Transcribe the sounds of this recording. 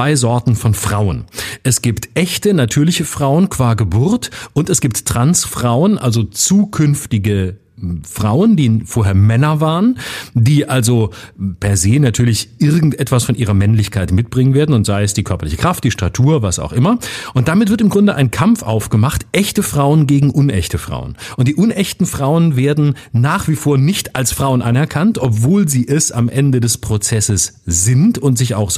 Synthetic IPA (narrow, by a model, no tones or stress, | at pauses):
aɪzɔɐtn̩fɔnfʁ̥aʊənʔɛsɡ̥iːptʔɛçtənatʰyːɐlɪçəfʁ̥aʊənkv̥aːɐɡəbʊʁtʔʊntɛsɡ̥iːp̚tʁ̥ansfʁ̥aʊənʔa̰lzot͡suːkʰʏnftɪɡə | fʁ̥aʊəndiːfoːɐɦeːɐmɛnɐvaːʁəndiːʔalzopʰɛɐzeːnatʰyːɐlɪçʔɪɐɡŋ̩tʔɛtv̥asfɔnʔiːʁɐmɛnlɪçkʰaɪtmɪt̚b̥ʁɪŋənveːɐdn̩ʊntz̥aɪəsd̥iːkʰœɐpɐlɪçəkʁ̥aft̚d̥iːʃtʁatʰuːɐvasa̰ʊxʔɪmɐʔʊnt̚d̥amɪtv̥ɪɐtɪmɡʁʊndəʔa̰ɪnkʰamfʔa̰ʊfɡ̥əmaχtʔɛçtəfʁ̥aʊənɡeːɡŋ̩ʔʊnɛ̰çtʰəfʁ̥a̰ʊənʔʊnt̚d̥iːʔʊnʔɛçtn̩fʁ̥aʊənveːɐdn̩naːχv̥iːfoːɐnɪçtalsfʁ̥aʊənʔanɛɐkʰantʔɔpv̥oːlziːʔɛsa̰mʔɛndədɛspʁ̥ot͡sɛsəsz̥ɪntʊntz̥ɪça̰ʊxz